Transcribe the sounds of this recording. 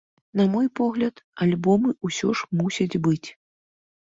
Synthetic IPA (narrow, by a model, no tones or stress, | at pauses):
nɐmɔjpɔɣlʲɐt̪alʲbɔmɨusʲɔʂmusʲɐd͡zʲbɨt͡sʲ